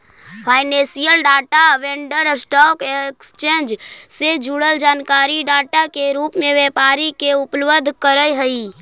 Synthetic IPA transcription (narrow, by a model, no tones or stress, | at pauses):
pʰaːɪnẽsijəlɖaːʈaʋẽɳɖəɾsʈɔːkekst͡ʃẽːnd͡ʒsed͡ʒʱuɽəld͡ʒaːnkaːɾiɖaːʈakeɾuːpmẽʋeːpaːɾikeʊplʋəd̪ʱkəɾəjɦəi